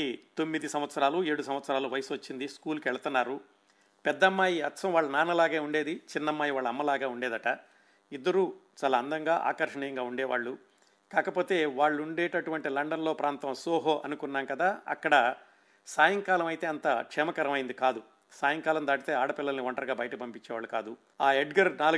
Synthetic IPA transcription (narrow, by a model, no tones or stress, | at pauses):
it̪o̞mːid̪isɐmʋɐt̪sɐɾaːlue̞ːɽus̬ɐmʋɐt̪sɐɾaːluʋɐjɐsʋɐt͡ʃːind̪iskuːlukɛɭɐt̪unːaːɾu | pɛd̪ːɐmːaːjiɐt̪sɐmʋaːɭːɐnaːnɐlaːɡeːuɳɖeːd̪it͡ʃinːɐmːaːjiʋaːɭːɐmːɐlaːɡaːuɳɖeːd̪ɐʈɐ | id̪ːɐɾut͡ʃaːlaːɐnd̪ɐŋɡaːʔa̰ːkɐɾʂɐɳiːjɐŋɡaːuɳɖɛːʋa̰ːɭːu | kaːkɐpo̞ːt̪e̞ːʋaːɭːuɳɖɛːʈɐʈuʋɐɳʈilɐɳɖɐnlo̞ːpɾaːnt̪ɐmsoːɦoːʔɐnukunːaːmkɐd̪aːɐ̰kːɐɽɐ | saːjɐŋkaːlɐmɐjt̪e̞ːɐnt̪ɐkʂɛːmɐkɐɾɐmɐjind̪ikaːd̪u | saːjɐŋkaːlɐmd̪aːʈit̪e̞ːaːɽɐpilːɐlniʋɐɳʈɐɾɡaːbɐjɐʈɐkipɐmpiɲt͡ʃːɛːʋaːɭːukaːd̪u | aːeɖɡɐɾnaː